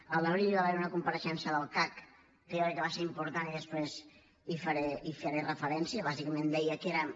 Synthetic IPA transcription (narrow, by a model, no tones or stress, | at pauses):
ələβɾiʎiβaβeɾeunəkumpəɾəʃɛnsəðəlˠkak | keɾkəβaseɾimpuɾt̪aniðəspɾez | ifeɾeifeɾerəfəɾɛnsiəβazikəmẽnd̪ɛjəkeɾə